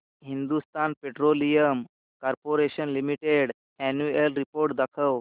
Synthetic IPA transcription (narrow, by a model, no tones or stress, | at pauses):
ɦind̪ust̪anpeʈɾolijəm | kaɾpoɾeɕənlimiʈeɽ | ɛnjuelɾipoɾʈ̚d̪akʰəw